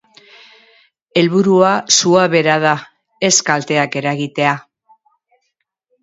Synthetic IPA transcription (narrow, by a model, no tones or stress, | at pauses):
e̞lβuɾuasuaβe̞ɾað̞a | e̞skalt̪e̞ake̞ɾaɣit̪e̞a